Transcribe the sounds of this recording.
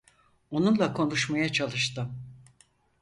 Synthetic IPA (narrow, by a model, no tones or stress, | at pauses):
o̞nunlˠakʰo̞nuʃmajat͡ʃʰalˠɯʃt̪ɯ